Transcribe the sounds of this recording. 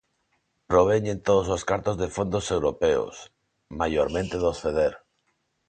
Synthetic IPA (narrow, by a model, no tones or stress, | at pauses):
pɾoβ̞eɲẽnt̪oðososkaɾt̪ozðefond̪osewɾopeo̰s | majoɾmẽnt̪eðosfeðeɾ